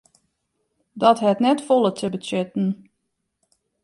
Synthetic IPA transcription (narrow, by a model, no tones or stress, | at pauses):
dɔtɦɛtnɛtfolˠətʰəbətʏtn̩